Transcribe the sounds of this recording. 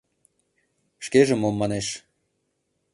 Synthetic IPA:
ʃkeʒĕmomːɑneʃ

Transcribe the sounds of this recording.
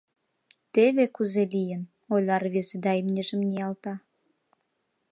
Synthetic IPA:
t̪eβekuzelijən | ojlʲɑrβezed̪ɑimnʲeʒəmnʲijɑlt̪ɑ

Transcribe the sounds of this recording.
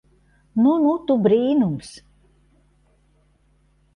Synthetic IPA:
nunut̪ubɾiːnums

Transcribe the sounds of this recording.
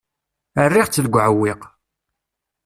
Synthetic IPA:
ərːɪʁt͡sːəlɡʷʕəwːɪq

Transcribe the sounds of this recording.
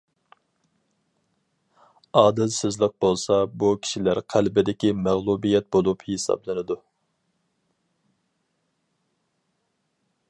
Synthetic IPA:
ɑːd̪ɪlsɪzlˠəq̚bolˠsɑbukʲʰi̥ʃilæɾqʰælbɪd̪ɪkʲimæʁlˠubijɛt̪̚bolˠuphesɑ̰blˠɨnɨd̪u

